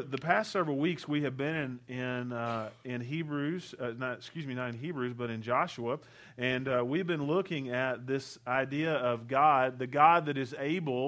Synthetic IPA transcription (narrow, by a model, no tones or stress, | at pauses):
ðɨpʰæstsɛvɹl̩ˠwikswiɨvbɪ̃nɨ̃nɪ̃nɪ̃nɦibɹʉz̥ʌnətskjʉzminɨɾɨ̃nɦibɹʉzbʌɾɨ̃nd͡ʒɑʃuə | ɨ̃nwivbɨ̃nlʊkɪ̃ŋɨt̪̚ðɪsaɪdiɨʌvɡɑd̪̚ðɨɡɑd̪̚ðɨɾɨzeɪbl̩ˠ